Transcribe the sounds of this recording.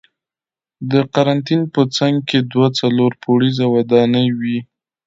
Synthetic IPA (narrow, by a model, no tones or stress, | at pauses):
d̪əqaɾant̪inpət͡saŋɡ̚ked̪wat͡saloɾpʰoɽizawad̪ɑnəjwi